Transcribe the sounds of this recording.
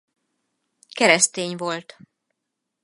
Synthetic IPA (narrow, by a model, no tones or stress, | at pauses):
kɛɾɛst̪eːɲvo̞lt̪